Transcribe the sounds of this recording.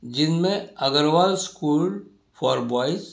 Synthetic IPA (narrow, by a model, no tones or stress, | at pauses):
d͡ʒɪnmẽɐɡəɾwaːlskuːl | pʰɔːɾbɔːɪs